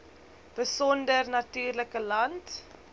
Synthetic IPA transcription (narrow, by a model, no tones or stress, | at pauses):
b̥əsɔndərnɐtyːrləkəlɐnt